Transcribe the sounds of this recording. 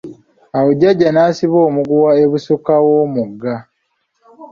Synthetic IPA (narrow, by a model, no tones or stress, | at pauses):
awoɟaɟːanaːsiβoːmuɡuwaeβusukawoːmuɡːa